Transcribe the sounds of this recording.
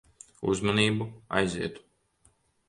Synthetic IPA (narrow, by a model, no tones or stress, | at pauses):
ṵzmɔniːbua̰jziɛt̪u̥